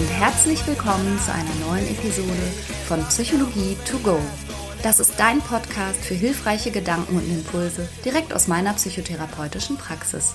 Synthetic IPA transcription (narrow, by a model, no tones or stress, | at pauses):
ʔʊnthɛɐt͡slɪçv̥ɪlkʰɔmənt͡suʔa̰ɪnɐnɔʏənʔḛpizoːdə | fɔnpsyçoloɡiːtʰuɡoː | d̥asɪstd̥aɪnpʰɔtkʰaːstfyːɐɦɪlfʁ̥aɪçəɡədaŋkŋ̩ʊntɪmpʰʊlzəd̥iʁɛk̚ta̰ʊsmaɪnɐpsyːçotʰeʁ̞apʰɔʏtɪʃn̩pʁ̥aksɪ̰s